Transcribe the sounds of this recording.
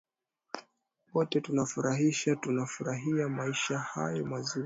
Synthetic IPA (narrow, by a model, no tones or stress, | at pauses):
wɔtɛtunafuɾaɦiʃatunafuɾaɦiamaiʃaha̰jɔmazi